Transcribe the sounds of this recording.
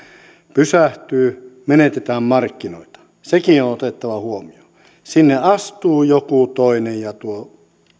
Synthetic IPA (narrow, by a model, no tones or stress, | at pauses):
pysæht̪yːmenet̪et̪æːmmɑrkːinoit̪ɑ̥ | sekionot̪et̪ːɑʋɑhuomio | sinːeɑst̪uːjokut̪oinejjɑt̪uo